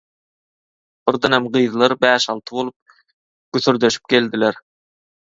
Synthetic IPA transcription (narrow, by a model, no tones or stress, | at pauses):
b̥ɪɾd̪ɑnæmɢɯjðlˠɑɾbæːʃɑlˠt̪ʰɯbo̞lˠup̚ | ɡ̥yθyɾd̪øʃi̥p̚ɡʲeld̪ilæɾ